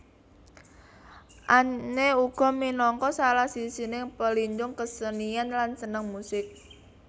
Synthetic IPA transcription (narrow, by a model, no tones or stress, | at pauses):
ʔaneuɡ̥ɔ̤minɔŋkɔsalahsisinɪŋpəliɲd͡ʒʊŋkəsənianlansənəŋmusɪk̚